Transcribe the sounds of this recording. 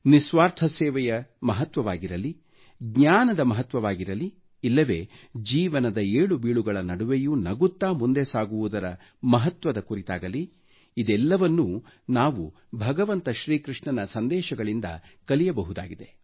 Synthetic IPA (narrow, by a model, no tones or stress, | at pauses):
nisʋaːɾt̪ʰɐsɛːʋɐjɐmɐɦɐt̪ʋɐʋaːɡiɾɐli | ɡɲaːnɐd̪ɐmɐɦɐt̪ʋɐʋaːɡiɾɐli | ilːɐʋe̞ːd͡ʒiːʋɐnɐd̪ɐeːɭubiːɭuɡɐɭɐnɐɽuʋejunɐɡut̪ːaːmund̪esaːɡuʋud̪ɐɾɐ | mɐɦɐt̪ʋɐd̪ɐkuɾit̪a̰ːɡɐli | id̪ɛlːɐʋɐnːu | naːʋu | bʱɐɡɐʋɐnt̪ɐʃɾiːkɾiʂɳɐnɐsɐnd̪ɛːʃɐɡɐɭind̪ɐ̰kɐlijɐbɐɦud̪a̰ːɡid̪e